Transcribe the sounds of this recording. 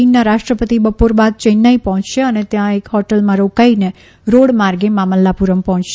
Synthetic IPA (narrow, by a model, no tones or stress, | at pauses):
inːaɾaʃʈɾəpət̪ibəpoɾbad̪̚t͡ʃənːaipɔɦɔ̃t͡ʃʃeənet̪jãekɦɔʈəlmãɾokaine | ɾoɽmaɾɡemaməlːapuɾəmpɔɦɔ̃t͡ʃʃe